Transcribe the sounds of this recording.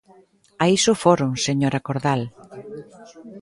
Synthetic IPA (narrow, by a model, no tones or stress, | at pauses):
aisʊfoɾʊŋseɲoɾakoɾðal